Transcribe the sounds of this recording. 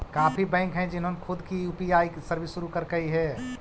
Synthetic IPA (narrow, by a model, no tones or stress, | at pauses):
kaːpʰibɛ̃ːŋkɦɛ̃d͡ʒɪnɦonekʰʊd̪kijuːpiaːisɐɾʋɪsːʊɾukɐɾkəiɦɛ